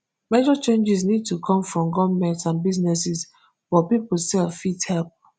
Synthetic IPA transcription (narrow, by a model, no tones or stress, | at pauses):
med͡ʒɔt͡ʃẽnd͡ʒis̬nid̚tʰukʰɔ̃mfɹɔ̃mɡɔvmɛ̃ntsãnbiznɛsis | fɔpipl̩sɛlfithɛlp̚